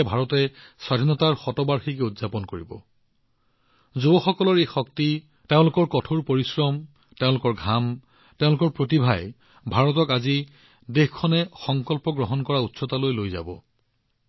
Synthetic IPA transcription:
bʱaɹɔtɛswadʱinɔtaɹxɔtɔbaɹxikɛudzapɔnkoɹibɔ̰ | zubɔxɔkɔlɔɹejxɔk̚ti | teʊ̃lʊkɔɹkɔtʰoɹpoɹisɹɔm | teʊ̃lʊkɔɹɡʱam | tẽʊ̃lʊkɔɹpɹotibʱaj | bʱaɹɔtɔkazi | dexkʰːɔnɛxɔŋkɔlpɔɡɹɔɦɔnkɔɹautsɔtalojlojza̰bɔ̰

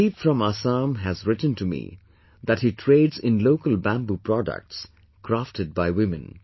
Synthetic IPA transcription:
itfɾʌ̃masãmɦæzɹɪtn̩tumḭ | ðæthitʰɾeɪdzɪ̃nloʊkəlbæ̃mbupɾɔdə̰k̚ʈs | kɾaftɨd̚baɪwɪmɨ̃n

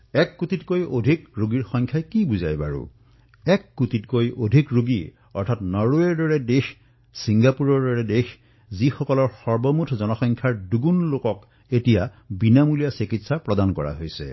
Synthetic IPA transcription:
ɛkːutitkojodʱikɹoɡiɹxɔŋkʰjajkibuzajba̰ɹṵ | ɛkːutitkojʔodʱikɹuɡḭ | ɔɹtʰatnɔɹuɛɹdɔɹɛdex | siŋɡapuɹɔɹdɔɹɛdex | zixɔkɔlɔɹxɔɹbɔmutʰzɔnɔxɔŋkʰjaɹduɡunlokɔk | etija | binamulijasikitsapɹɔdankɔɹa̰ɦojsɛ̰

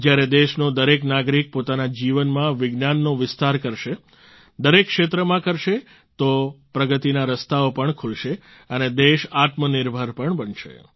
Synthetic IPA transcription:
d͡ʒjaɾed̪eʃnod̪əɾeknaɡɾik̚pot̪anad͡ʒiʋənmãʋɪɡnanːoʋɪst̪aɾkəɾʃe | d̪əɾekːʃet̪ɾəmãkəɾʃe | t̪opɾəɡət̪inaɾəst̪aopəɳkʰulʃe | əned̪eʃat̪mənɪɾbʱaɾpəɳbənʃḛ

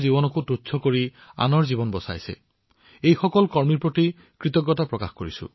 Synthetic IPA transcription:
zibɔnɔkutut͡ʃʰsʰɔkoɹi | a̰nɔɹzibɔnbɔsa̰jsḛ | ejxɔkɔlkɔɹmiɹpoti | kɹit̪ɔɡːɔtapɹɔkaxkoɹḭsṵ

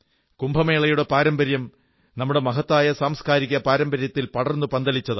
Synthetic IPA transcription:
kumbʱɐme̞ːɭɐjuɽe̞paːɾɐmbɐɾjɐm | nɐmːuɽe̞mɐɦɐt̪ːaːjɐsaːmskaːɾiɣʲɐpaːɾɐmbɐɾjɐt̪ːilpɐɽɐrnːupɐnd̪ɐlit͡ɕːɐðɨ

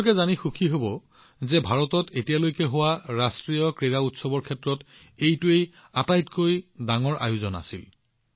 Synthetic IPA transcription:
kɛzanixukʰiɦobɔ | zɛbʱaɹɔtɔtetijalojkɛɦʊwaɹastɹijɔkɹeɹautsɔbɔɹkʰɛtɹɔt | ejtʊej | atajtkojdaŋɔɹʔa̰jʊzɔna̰sil

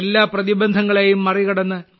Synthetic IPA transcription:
lːaːprɐðibɐnd̪ʱɐŋːɐɭeːjumːɐriɣɐɽɐnːɨ

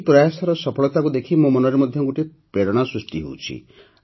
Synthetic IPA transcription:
pɾajasɔɾɔsɔpʰɔɭɔt̪akud̪ekʰimumɔnɔɾemɔd̪ʱjɔɡuʈipeɽɔɽ̃ɔsɾusʈiɦo̰wt͡ʃʰḭ

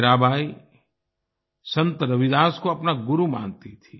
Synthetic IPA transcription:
ɾaːbʱaːi | sɐ̃nt̪əɾɐʋɪd̪aːskoɐpnaɡʊɾumã̰ːnt̪it̪ʰi

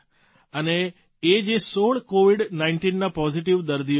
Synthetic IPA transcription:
əneː | d͡ʒesoɭkoʋiɽnainʈinːapɔziʈiʋd̪əɾd̪ij

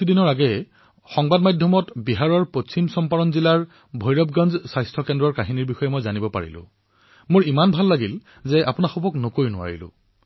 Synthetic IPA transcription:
tudinɔɹaɡɛ | xɔŋbadmajdʱjɔmɔtbiɦaɹɔɹpot͡ɕimsɔmpaɹɔnzilaɹ | bʱɔjɹɔb̚ɡanzsajstʰɔkɛndɹɔɹkaɦiniɹbixɔjɛmojzanibɔpa̰ɹḭlʊ̰̃ | mʊɹimanbʱalːaɡil | zɛʔa̰pʊnaxubɔknʊkoinʊwa̰ɹḭlʊ̰̃

